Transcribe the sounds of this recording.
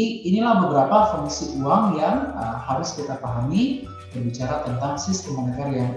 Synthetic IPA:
inilahbəbəɾapafuŋsiʔuaŋjaŋəmhaɾʊskit̪apaɦami | bərbit͡ʃaɾat̪ənt̪aŋsist̪əmənɛkarjaŋ

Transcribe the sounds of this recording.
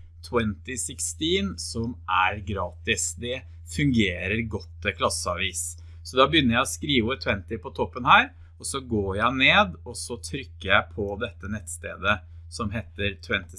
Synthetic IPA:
t̪ʰwɛnt̪ɪsɪkst̪iːnsɔmʔæɾɡɾɑːt̪ɪsd̪ɛ | fʉŋɡeːɾəɾɡɔt̪ːəkʰlɑsəɑʋiːs | sɔd̪ɑbəjʏnːəɾjæɪɔskɾiːʋət̪ʰwɛnt̪ɪpʰɔt̪ʰɔpːənhæːɾ | ɔsɔɡoːɾjæɪneːd̪ɔsɔt̪ʰɾʏkːəɾjæɪpʰɔd̪ɛt̪ːənɛt̪ːst̪ḛːd̪əsɔmɦeːt̪əɾt̪ʰwɛnt̪ɪ

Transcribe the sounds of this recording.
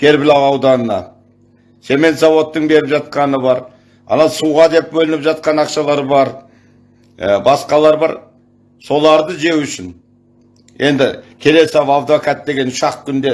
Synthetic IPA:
ɡ̥ʲʰe̞ɾbɪlɑwɑwd̪ɑnənɑ̰ | se̞me̞nt̪sɑwo̞t̪ːəɴbe̞ɾɪpʒɑt̪̚qɑnəbɑɾ | ɑ̰nɑnsuwʁɑd̪e̞p̚bɵlɪnɪpʒɑt̪̚qɑnɑqʃɑlˠɑɾbɑɾ | bɑsqɑlˠɑɾbɑ̰ɾ | so̞lˠɑɾd̪əʒe̞wʏʃɪn | e̞nd̪ɪkʲʰe̞le̞sɑvɑvd̪okat̪̚d̪e̞ɡʲe̞nʊʃɑqkʲʰʏnd̪e̞

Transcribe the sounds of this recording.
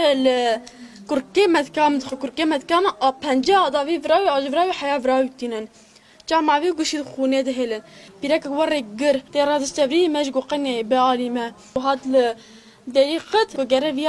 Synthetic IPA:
lɨ | kʊɾkeːmɛt̪kɑːmɨd̪ɨxɨkʊɾkeːmɛt̪kɑːmɨʔɑpʰɛnd͡ʒeɑːd̪ɑːviːvɨɾɑːwiɑːʒvɾɑːwiħajɑːvɨɾɑːwit̪inɨn | t͡ʃɑːmɑːviːɡʊʃid̪xuːneːd̪ɨɦelɨnpiːɾɛkkwɛreɡɨɾt̪eːrɑːd̪ɨst͡ʃ̪ɛvɾimɛʒɡoqɛnebəɑːliːmɛ | ɦɑːt̪lɨ | d̪ɛɾiːqət̪kʊɡɛɾɛvij

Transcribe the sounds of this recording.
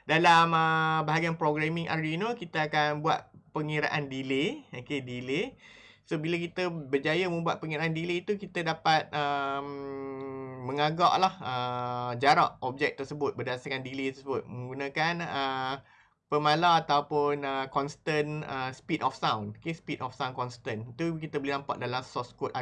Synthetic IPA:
dalaməbaɦaɡianpɾoɡɾamĩŋʔa̰ɾinokit̪əakanbua̰t̪̚pəŋiɾa̰ʔandileokedile | sobilak̬it̪əbərd͡ʒajəməmbuaʔ̪̚pəŋiɾaandileit̪ukit̪ədapat̪̚əm | məŋaɡa̰ʔlahəd͡ʒaɾaʔɔp̚d͡ʒɛk̚t̪ərsəbʊt̪̚bərdasarkandilet̪əsəbʊt̪̚mə̃ŋɡunə̃kanə | pəmalaat̪awpʊnəkɔnst̪ənəspidɔfsawnokespit̪ɔfsawnkɔnst̪ənit̪ukit̪əbəlinampa̰ʔ̚dalamsɔskʊt̪a

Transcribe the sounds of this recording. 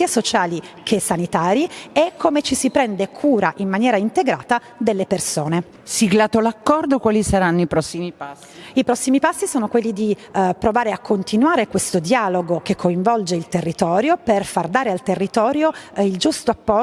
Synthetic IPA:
iasot͡ʃaːlikʰesanit̪aːɾjiekʰːomet͡ʃisipɾɛnd̪ekʰuːɾaʔimːanjɛːɾaint̪eɡɾa̰ːt̪a | d̪elːepersoːne | siɡlaːt̪olakːɔrd̪okwaːlisaɾanːoipɾɔsːimipa | ipɾɔsːimipasːisoːnokwelːid̪ipɾovaːɾeakːont̪inwaːɾekwest̪od̪jaːloɡokekʰːoiɱvɔld͡ʒeilt̪erːit̪ɔːɾjoperfard̪aːɾealt̪erːit̪ɔːɾjoild͡ʒust̪oapːɔ

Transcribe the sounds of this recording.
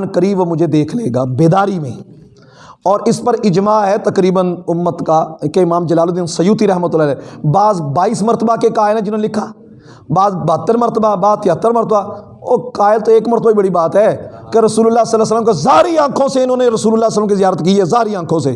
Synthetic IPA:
nkəɾiːbmʊd͡ʒʱed̪eːkʰleːɡaːbeːd̪aːɾimḛ̃ː | ɔːɾɪspəɾɪd͡ʒmaːɦɛt̪əkɾiːbənʊmːət̪kakeɪmaːmd͡ʒɐlaːlod̪iːnsəjuːt̪iɾɛɦmət̪ʊlːaːlɛːbaːzbaːiːsməɾt̪əbakekaːɪlɦɛ̃d͡ʒɪnõːnelɪkʰːaː | baːzbəət̪ːəɾməɾt̪əbaːbaːzt̪ʰɪət̪ːəɾməɾt̪əbaː | ɔːɾkaːɪlt̪oeːkməɾt̪əbaːibəɽibaːt̪ɦɛːkeɾəsuːləlːaːsəlːaːsələmkezaːɾiːãːkʰõːseɪnõːneɾəsuːlʊlːaːsələmkizɪjaːɾət̪kiːɛːzaːɾiãːkʰõːseː

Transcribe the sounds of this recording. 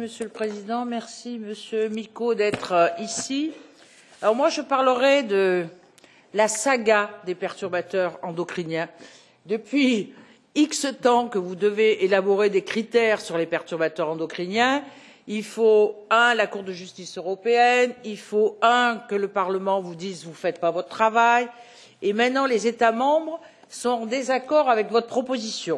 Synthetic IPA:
məsjøləpχezid̪ɑ̃mɛʁsiməsjømikod̪ɛt̪χisi | alɔʁmwaʒəpaʁləʁɛd̪ə | lasaɡad̪epɛʁt̪yʁbat̪œʁɑ̃d̪ɔkχinjɛ̃ | d̪əpɥi | iksət̪ɑ̃kəvud̪əveelabɔʁed̪ekχit̪ɛʁsyʁlepɛʁt̪yʁbat̪œʁɑ̃d̪ɔkχinjɛ̃ | ilfoɛ̃lakuʁd̪əʒyst̪isøʁɔpeɛnilfoɛ̃kələpaʁləmɑ̃vud̪izvufɛt̪̚pavɔt̪ət̪χavaj | emɛ̃t̪nɑ̃lezet̪amɑ̃bʁ | sɔ̃t̪ɑ̃d̪ezakɔʁavɛkvɔt̪χəpχɔpozisjɔ̃

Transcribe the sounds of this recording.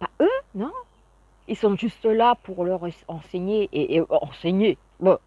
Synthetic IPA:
paønɔ̃ | ilsɔ̃ʒyst̪əlapuʁlœʁsɑ̃seɲeʔeʔeɑ̰̃seɲe | bɔ̃

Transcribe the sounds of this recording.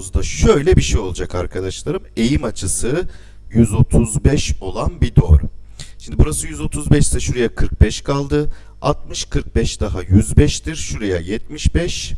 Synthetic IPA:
zd̪aʃø̞jlʲɛbiʃejo̞lˠud͡ʒakaɾkʰad̪aʃlˠaɾɯme̞jimat͡ʃʰɯsɯ | jyzo̞t̪ʰuzbɛʃo̞lˠanbid̪o̞ɾʃimnd̪ibuɾasɯjyzo̞t̪ʰuzbɛʃt̪ɛʃuɾajakʰɯɾk̚bɛʃkʰalˠd̪ɯ | alˠt̪̚mɯʃkʰɯɾk̚bɛʃd̪̥aɦajyzbɛʃt̪ʰiɾ̥ʃuɾaja̰jɛt̪̚miʃbɛʃ

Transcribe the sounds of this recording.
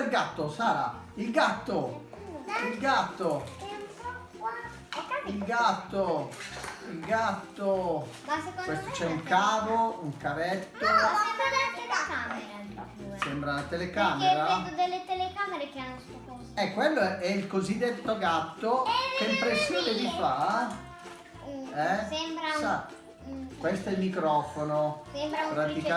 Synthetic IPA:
elɡat̪ːosaːɾa̰ | ilɡat̪ːo | ilɡat̪ːo | a | ailɡat̪ːo | ilɡat̪ːo | asekowest̪ot͡ʃɛuŋkaːvouŋkaɾɛt̪ːoɛmɾaat̪elekameɾe | asɛmbɾalat̪elekaːmeɾaɛd̪od̪elːet̪elekameɾekeanːosokɔsɛkːwelːoɛilkozid̪ːet̪ːoɡat̪ːokeimpɾesːjoːned̪ifa | ɛsɛmbɾasa | kwest̪oɛlmikɾɔːfonosɛmɾapɾat̪ika

